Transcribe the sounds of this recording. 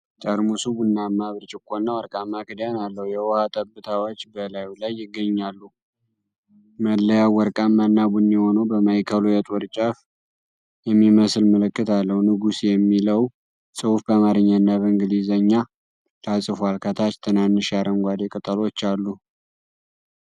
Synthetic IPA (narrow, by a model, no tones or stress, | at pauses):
t͡ʃʼəɾmusubunːamːaβɾt͡ʃʼɪkʼːonːawɔɾkʼamːakʰɨd̪janalːəhujɛwɔhat̪ʼəbːɨt̪ʰawot͡ʃːbəlajulajːɪɡːəɲːalːu | məlːəjawɔɾkʼamːanːabunːiho̞nəwbəmajkʰəlojɛt̪ʼoɾt͡ʃʼaf | jɛmːiməslməlɨkːɨt̪alːəhwnɨɡusjɛmːiləw | sʼɨwufbamaɾɨɲːanːaβəŋɡɨlizəɲːa | lasʼɨfwalkʰət̪ʰat͡ʃt̪ʰɨnanːɨʃjaɾəŋɡʷad̪ekʼɨt̪ʼəlo̞t͡ʃːalːu